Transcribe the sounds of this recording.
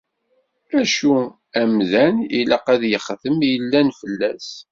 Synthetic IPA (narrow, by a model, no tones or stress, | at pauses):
æʃu | æmðænilɑqæðjəχθəmjəlːænfəlːæs